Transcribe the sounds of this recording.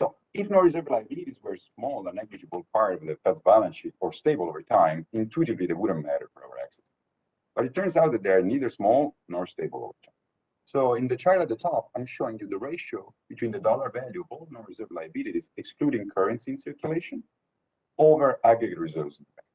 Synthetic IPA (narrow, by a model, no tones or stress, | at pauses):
soʊ | ɪfnoɹizəɹvlajəbiliɾizwə˞smɔlˠə̃nːɛɡlɨd͡ʒəbəlˠp̚ʰaɹɾɔvðəfɛtsbælə̃nʃiɾɔɹsteɪbəlˠovəɹtʰãɪ̃mɪ̃nt̪ʰuɾivliðewʊdn̩mæɾə̰˞fɔɹa̰wə̰˞æ̰ksɛ̥s | b̥ʌɾɨtʰːɜ̃ɹnzawt̪̚d̪ɛt̪̚d̪ɛniðə˞smɔlˠnɔɹsteɪbə̰lˠo̰və̰˞tʰãɪ̃m | soʊɪ̃nðət͡ʃaɹdt̪̚ðətʰɔp̚ãj̃mʃoɪ̃ŋjud̪əɹeɪʃoʊb̥it̪ʰwĩːnðədɔləɹvæljuɔvolˠdnoɹizɜɹvlajəbiliɾizɛkskluɾĩŋkʰɜ˞ɹə̃nsĩnsɪɹkjuleɪʃə̃n | ovə˞æɡɹɛɡətɹizɜɹvsnɛk